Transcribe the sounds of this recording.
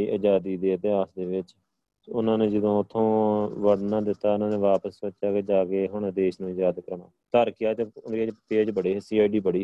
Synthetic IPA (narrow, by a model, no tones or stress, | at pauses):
iːʔəd͡ʒaːd̪iːd̪eːət̪ɪaːsd̪eːʋɪt͡ʃ | ʊnãːneːd͡ʒəd̪õːʊt̪ʰːõːʋəɽnaːd̪ɪt̪ːaːʊnãːnẽːʋaːpəsbətːʃaːkeːd͡ʒaːkeːɦʊɳd̪eːʃnũːjaːd̪kəɾɳaːt̪əɾkɪjaːt̪eːʊnd̪id͡ʒpeːd͡ʒbəɽeːɦːsiːaːɖiːbəɽiː